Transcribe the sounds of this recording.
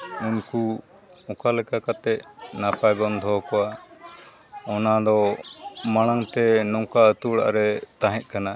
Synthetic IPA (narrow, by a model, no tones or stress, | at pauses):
uɲku | ɔkalɛkakat̪ɛʔnapaɡɔnd̪ʱɔkɔwa | ɔnad̪ɔ | maɽ̃aŋt̪ɛnɔŋkaət̪uɽa̰ʔɾɛt̪aɦɛc̪̚ˀkana